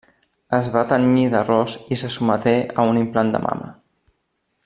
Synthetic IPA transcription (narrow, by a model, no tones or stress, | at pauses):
əzβat̪əniðərɔsisəsumət̪eʔə̰unimpland̪ə̰mʔa̰mə̰